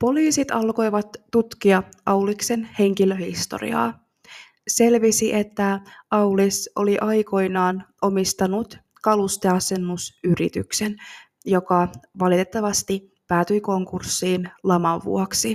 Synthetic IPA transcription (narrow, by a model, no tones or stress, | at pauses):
po̞liːsit̪ɑlko̞jʋɑt̪ːut̪kiɑʔɑwlikse̞nhe̞ŋk̟ilø̞hist̪o̞̰rḭɑ̰ː | se̞lʋisiʔe̞t̪ːæɑwliso̞liʔɑjko̞jnɑːnʔo̞mist̪ɑnut̪ | kɑlust̪eɑse̞nːusyɾḭt̪y̰ksen | jo̞kɑʋɑlit̪e̞t̪ːɑʋɑst̪i | pæːt̪yjko̞ŋkursːiːnlɑmɑʋʋːṵoksi